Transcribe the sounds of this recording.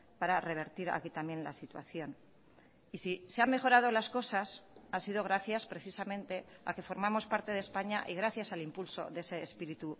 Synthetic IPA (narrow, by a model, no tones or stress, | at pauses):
paɾare̞β̞e̞ɾt̪iɾa̰kit̪amje̞nla̰sit̪wa̰θjo̞n | isiseamme̞xo̞ɾað̞o̞lasko̞sasansiðo̞ɣ̞ɾaθjaspɾe̞θisamẽ̞nt̪e̞a̰ke̞fo̞ɾmamo̞spaɾt̪eð̞espaɲaʔiɣ̞ɾaθjasalimpulso̞̰ðe̞se̞ːspiɾit̪u